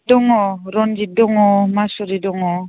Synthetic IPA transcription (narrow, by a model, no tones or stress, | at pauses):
dɔŋɔɾɔnd͡ʒidɔŋɔmasɔɾidɔŋɔ